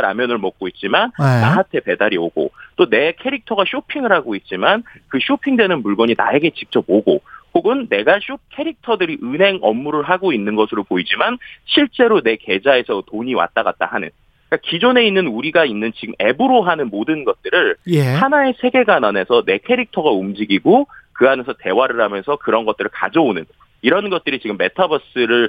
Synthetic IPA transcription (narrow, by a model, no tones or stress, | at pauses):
ɾa̰mjʌnɯɭmʌk̚k͈oit̚t͡ɕ͈imana̰ɦantʰe̞pe̞daɾioɡo̰t͈one̞kʰe̞ɾik̚tʰʌɡaɕ͈ʰopʰiŋɯɭhaɡoit̚t͡ɕ͈imankɯɕ͈ʰopʰiŋdwe̞nɯnmuɭɡʌɲina̰e̞ɡe̞t͡ɕik̚t͡ɕ͈ʌpoɡokoɡɯnːe̞ɡaɕ͈ʰokʰe̞ɾik̚tʰʌdɯɾiʔɯnɦe̞ŋʌmːuɾɯɭɦaɡoinːɯnɡʌsʰɯɾopoid͡ʑimanɕʰiɭt͡ɕ͈e̞ɾone̞ke̞d͡ʑae̞sʰʌtoɲiwa̰t̚t͈aɡa̰t̚t͈a̰hanɯ̰n | k͈akid͡ʑone̞inːɯnuɾiɡainːɯnt͡ɕiɡɯme̞bɯɾoɦanɯnmodɯnɡʌt̚t͈ɯɾɯɭhanae̞sʰe̞ɡe̞ɡanane̞sʰʌne̞kʰe̞ɾik̚tʰʌɡaumd͡ʑiɡiɡokɯɦamjʌnsʰʌte̞waɾɯɾɦamjʌnsʰʌkɯɾʌnɡʌt̚t͈ɯɾɯɭka̰d͡ʑʌonɯn | iɾʌnɡʌt̚t͈ɯɾit͡ɕiɡɯmːe̞tʰabʌs͈ɯɾɯɭ